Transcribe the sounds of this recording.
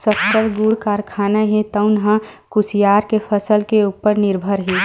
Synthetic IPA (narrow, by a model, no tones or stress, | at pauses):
səpʰtəɾɡuɽkaːɾkʰaːnaɦit̪əʊnɦãkusijaːɾkepʰəsəlkeupːəɾnɪɾbʱəɾɦi